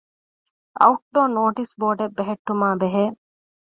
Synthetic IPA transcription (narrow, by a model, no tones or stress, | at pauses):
ɐ̰uʈ̚ɖoːnoːʈisboːɖebːeɦeʈːumaːbeɦeː